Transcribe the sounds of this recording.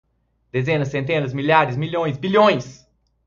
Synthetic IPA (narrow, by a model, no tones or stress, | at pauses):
d̪̥ezẽnɐssẽnt̪̬ẽnɐzmiʎaɾɪzmiʎõj̃sbiʎõj̃s